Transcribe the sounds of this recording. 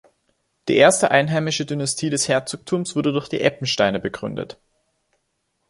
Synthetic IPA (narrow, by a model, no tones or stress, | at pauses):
d̥ḭːʔeːɐstəʔaɪnɦaɪmɪʃədynastʰiːdɛshɛɐt͡soːk̚tʰuːmsv̥ʊɐdədʊɐçd̥ḭːʔɛpm̩ʃtaɪnəbəɡʁʏndə̰t